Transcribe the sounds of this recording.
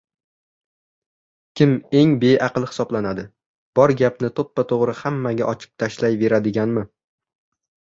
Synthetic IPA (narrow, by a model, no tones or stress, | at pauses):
kʲʰɪme̞ŋbe̞jʔɑqɨlˠhɪ̥sɒblanad̪ɪ | b̥ɒɾɡʲapnɪt̪ʰopːat̪ʰoʁɾɪhamːaɡʲaʔɒt͡ʃʰɪ̥p̚t̪ʰaʃlajve̞ɾad̪ɪɡʲanmɪ